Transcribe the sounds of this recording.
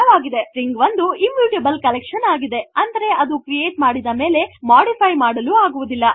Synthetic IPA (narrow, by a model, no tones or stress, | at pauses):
ɐʋaːɡid̪e̞ɾiŋɡʋɐnd̪uimjuːʈebɐlkɐlɛkʂɐnaːɡid̪e̞ɐnd̪ɐɾe̞ɐd̪ukɾieːʈmaːɽid̪ɐme̞ːle̞maːɖipʰɐjmaːɽɐluːaːɡuʋud̪ilːɐ